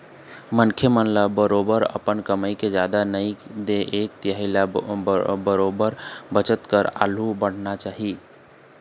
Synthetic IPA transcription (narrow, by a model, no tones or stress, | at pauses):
mənkʰjemənlabəɾobəɾə̰pənkəməjked͡ʒad̪anəjd̪eʔek̚t̪jaɦɪla | bəɾobəɾbət͡ʃət̪kəɾa̰l̤ubəɽ̤nat͡ʃaɦi